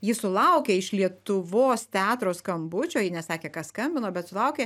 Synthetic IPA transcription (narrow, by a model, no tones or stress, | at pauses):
jɪsʊlˠɐʊkʲeːɪʃlʲiɛt̪ʊʋoːst̪ʲæːt̪ɾoːskɐmbʊt͡ʃʲoːjɪnʲɛsɑːkʲeːkɑsskɐmʲbʲɪnoːbʲɛt̪sʊlˠɐʊkʲeː